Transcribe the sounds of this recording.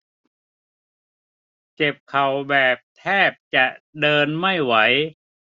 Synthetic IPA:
t͡ɕe˨˩p̚kʰa˨˩wbɛː˨˩p̚t̪ʰɛː˥˩p̚t͡ɕa˨˩ʔdɤː˧nma˥˩jwa˩˦˥j

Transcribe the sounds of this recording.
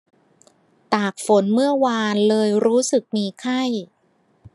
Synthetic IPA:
t̪aː˨˩k̚fo˩˦nmɯ˥˩ɐwaː˧nlɤː˧jɾuː˦˥sɯ˨˩k̚miː˧kʰa˥˩j

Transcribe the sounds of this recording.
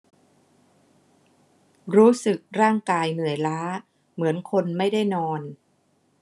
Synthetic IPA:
ɾuː˦˥sɯ˨˩k̚ɾaː˥˩ŋkaː˧jnɯ˨˩˦əjlaː˦˥ | mɯ˩˦ənkʰo˧nma˥˩jda˥˩jnɔː˧n

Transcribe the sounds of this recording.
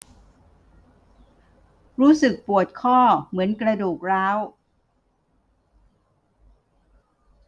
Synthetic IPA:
ɾuː˦˥sɯ˨˩k̚pu˨˩ət̪̚kʰɔː˥˩mɯ˩˦ənkɾa˧duː˨˩k̚ɾaː˦˥w

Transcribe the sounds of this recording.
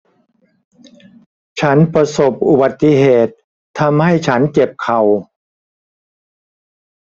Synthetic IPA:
t͡ɕʰa˦˥npɾa˧so˨˩p̚ʔu˨˩ba˨˩t̪ːi˧ɦeː˨˩t̪ʰː | a˧mha˥˩jt͡ɕʰa˦˥nt͡ɕe˨˩p̚kʰa˨˩w

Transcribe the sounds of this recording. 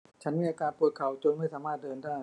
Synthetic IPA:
t͡ɕʰa˦˥nmiː˧ʔaː˧kaː˧npu˨˩t̪̚kʰa˨˩˦wt͡ɕu˧ənm˥˩jsaː˩˦maː˥˩t̪̚dɤː˧ndaː˥˩j

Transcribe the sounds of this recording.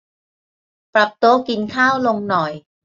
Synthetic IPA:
pɾa˨˩p̚t̪oː˧ki˧nkʰaː˥˩wlo˧ŋnɔ˨˩j

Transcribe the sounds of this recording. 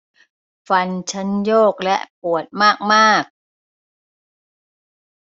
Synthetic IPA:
fa˧nt͡ɕʰa˦˥njoː˥˩k̚lɛ˦˥ʔpu˨˩ət̪̚maː˥˩k̚maː˥˩k̚

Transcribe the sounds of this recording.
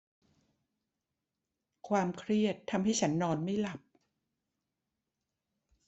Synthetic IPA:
kʰwaː˧mkʰɾi˥˩ət̪ʰːa˧mɦa˥˩jt͡ɕʰa˦˥nːɔː˧nma˥˩jla˨˩p̚

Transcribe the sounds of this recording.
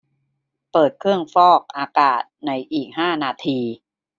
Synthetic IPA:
pɤː˨˩t̪̚kʰɯ˥˩əŋfɔː˥˩k̚ʔaː˧kaː˨˩t̪̚na˧jʔiː˨˩k̚haː˥˩naː˧t̪ʰiː˧

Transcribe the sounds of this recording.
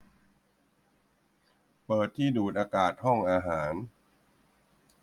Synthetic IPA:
pɤː˨˩t̪ʰːiː˥˩duː˨˩t̪̚ʔaː˧kaː˨˩t̪̚hɔ˥˩ŋʔaː˧ɦaː˩˦n

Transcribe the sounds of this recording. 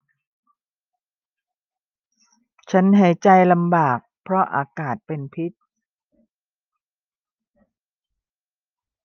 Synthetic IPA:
t͡ɕʰa˦˥nɦa˨˩˦jt͡ɕa˧jla˧mbaː˨˩k̚pʰɾɔ˦˥ʔa̰ː˧kaː˨˩t̪̚pe˧npʰi˦˥t̪̚

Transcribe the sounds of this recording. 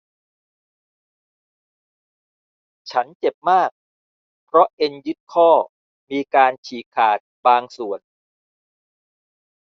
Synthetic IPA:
t͡ɕʰa˦˥nt͡ɕe˨˩p̚maː˥˩k̚ | pʰɾɔ˦˥ʔe˧njɯ˦˥t̪̚kʰɔː˥˩ | miː˧kaː˧nt͡ɕʰiː˨˩kʰaː˨˩t̪̚baː˧ŋsu˨˩ən

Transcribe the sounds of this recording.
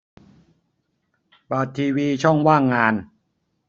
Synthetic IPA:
ba˨˩t̪ʰːiː˧wiː˧t͡ɕʰɔ˥˩ŋwaː˥˩ŋːaː˧n

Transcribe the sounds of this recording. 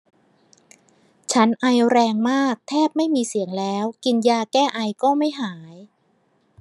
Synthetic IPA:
t͡ɕʰa˦˥nʔa˧jɾɛː˧ŋmaː˥˩k̚t̪ʰɛː˥˩p̚ma˥˩jmiː˧si˨˩˦əŋlɛː˦˥wki˧njaː˧kɛː˥˩ʔa˧jkɔː˥˩ma˥˩jɦaː˩˦j

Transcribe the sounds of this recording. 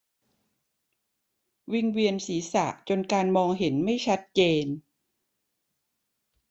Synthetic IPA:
wi˧ŋwi˧ənsiː˩˦sa̰˨˩ʔt͡ɕo˧nkaː˧nmɔː˧ŋɦe˩˦nma˥˩jt͡ɕʰa˦˥t̪̚t͡ɕeː˧n

